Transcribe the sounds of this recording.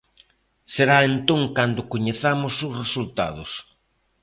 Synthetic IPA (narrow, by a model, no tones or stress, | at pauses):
seɾaent̪õŋkand̪ʊkoɲeθamʊsʊsresult̪a̰ð̞ʊs